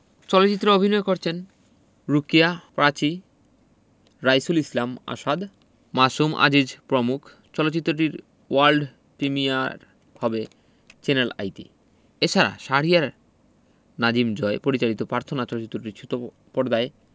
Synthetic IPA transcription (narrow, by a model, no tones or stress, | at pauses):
t͡ɕɔlotːt͡ɕit̪ːɾoobʱinɔekoɾt͡ɕʰen | ɾukiapɾat͡ɕi | ɾajsulislama̰ʃad̪ | maʃumʔa̰d͡ʑid͡ʑpɾomukʰ | t͡ɕɔlotːt͡ɕit̪ːɾoʈiɾ | waɾlɖ | pɾimiaɾ | hɔbe | t͡ɕenela̰jt̪ḭ | et͡ɕʰaɾa̰ʃaɽijaɾ | nad͡ʑimd͡ʑɔepoɾit͡ɕaɽit̪opɾaɾt̪ʰonat͡ɕɔlotːt͡ɕit̪ːɾoʈiɾʃʰut̪o | pɔɾd̪ae